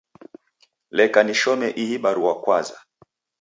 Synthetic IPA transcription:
lɛkaniʃɔmɛʔiɦiɓaɾuwakwaza

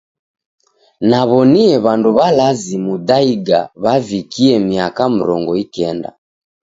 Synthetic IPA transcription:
naβɔniɛβanduβalazimudaiɡa̰βavikiɛmiakam̩ɾɔŋɡɔikɛnda̰

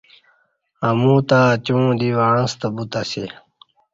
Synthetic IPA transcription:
amũːt̪at͡ɕũːd̪iwaːɳə̃st̪əbut̪ase

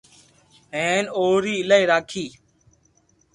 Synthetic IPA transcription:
ɦeːnoːɾiːɪlaːiːɾaːkʰiː

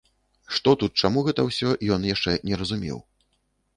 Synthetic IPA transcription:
ʂt̪ɔt̪ut̪̚t͡ʂamuɣɛt̪ɐwsʲɔjɔnjaʂt͡ʂɛnʲɛɾɐzumʲɛ̰w

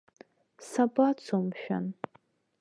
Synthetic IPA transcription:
sabʼat͡sʰomʃᶣa̰n

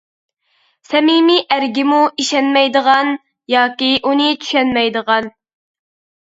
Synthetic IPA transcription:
sɛmimiʔæɾɡʲɪmuiʃɛnmɛjd̪əʁɑn | jɑːkʲiʔunɨt͡ʃʰy̥ʃɛnmɛjd̪əʁɑn

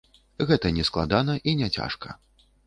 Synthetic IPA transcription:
ɣɛt̪ɐnʲɛsklˠa̰d̪anɐʔinʲɛt͡sʲa̰ʂkɐ̰

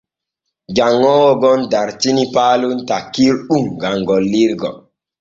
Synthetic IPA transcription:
d͡ʒaŋːɔːwɔɡɔndaɾtinipaːluntakːiɾɗuŋɡaŋɡɔlːiɾɡɔ̰

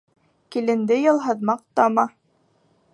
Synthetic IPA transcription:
kilɘ̆nd̪ɘjɤ̆lˠɦɤ̆ðmɑq̚t̪ɑmɑ

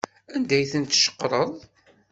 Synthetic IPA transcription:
ænd̪æjθənt̪ʃə̥qːɾˤəðˤ

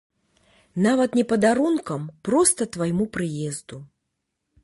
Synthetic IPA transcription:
navɐt̪nʲɛpɐd̪aɾunkɐmpɾɔst̪ɐt̪vajmupɾɨjɛzd̪u

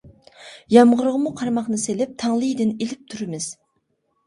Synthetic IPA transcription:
jɑmʁəɾʁəmuqʰɑɾmɑχnɨselɪp̚t̪ʰɑŋlˠɨjd̪ɪnelɪp̚t̪ʰuɾɪmɪz̥

